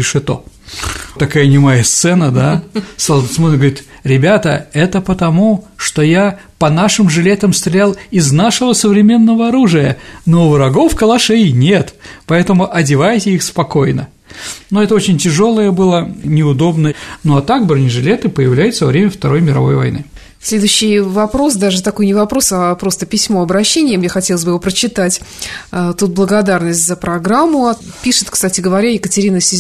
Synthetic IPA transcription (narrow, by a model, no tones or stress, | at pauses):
ɪʂɨt̪o̰ | t̪ɐkajənʲɪmɐjast̪sɛnəd̪ast̪ɐlˠd̪t̪smonɡəvɐɾʲit̪ | ɾʲɪbʲat̪ə̰ɛt̪əpət̪ɐmuʂt̪o̞japɐnaʂɨmʐɨlʲe̞t̪əmst̪ɾʲɪlʲalˠɪznaʂɨvəsəvɾʲɪmʲe̞nːəvəɐɾuʐɨjənovɨɾɐɡo̞fkəlˠɐʂɛɪnʲe̞t̪pɐɛt̪əmʊʔɐdʲɪvajɪtʲɪixspɐko̞jnə̰ | noɛt̪əot͡ɕɪnʲtʲɪʐo̞lˠəjəbɨlˠənʲɪʊd̪o̞bnənoɐt̪aɡ̚bɾənʲɪʐɨlʲet̪ɨpəjɪvlʲæjʊt̪səvɐvɾʲemʲəft̪ɐɾo̞jmʲɪɾɐ̰vo̞jvɐ̰jnɨ̰ | sʲlʲed̪ʊɕːɪjvɐpɾo̞s̬d̪aʐɨt̪ɐko̞jnʲɪvɐpɾo̞sɐpɾo̞st̪əpʲɪsʲmo̞ɐbɾɐɕːenʲɪjəmjaxɐtʲelˠəzʲbɨjɪvopɾət͡ɕɪt̪atʲː | t̪ut̪̚blˠəɡɐd̪arnəsʲtʲzəpɾɐɡɾamːʊɐpʲiʂɨ̥t̪kst̪atʲɪɡəvɐɾʲajɪkətʲɪɾʲinəsʲɪ